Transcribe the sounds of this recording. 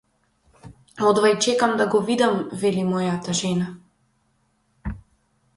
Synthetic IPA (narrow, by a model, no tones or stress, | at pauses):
ɔd̪vajt͡ʃɛkamd̪aɡɔvid̪amvɛlimɔjat̪aʒɛna